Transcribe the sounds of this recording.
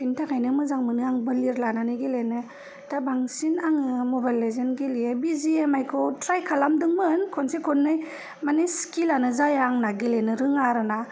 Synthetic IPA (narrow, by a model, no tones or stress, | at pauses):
pʰintʰakʰajnɯmɯzaŋmɯnɯaŋbɯliɾlananɯɡilenɯ | tabaŋsinaŋɯmobajlːezenɡiliebiziemajkʰɔtɾajkʰalamdɯŋmɯnkʰɔnsikʰɔnːɯj | maniskilanɯzajaŋnaɡilenɯɾɯŋaɾɯna